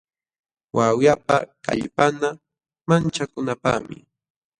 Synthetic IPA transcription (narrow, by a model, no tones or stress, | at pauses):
wʔawjapaka̰ʎpana | mant͡ʃakʊnapa̰mɪ̰